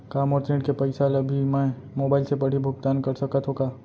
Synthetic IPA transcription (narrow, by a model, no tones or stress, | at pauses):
kaːmɔːɾt̪ẽːʈkepəɪsalɐbʱimɛ̃ | moːbaːɪlsepɐɽ̤ibʱʊɡ̚t̪aːnkɐɾsɐkət̪ɦoːkaː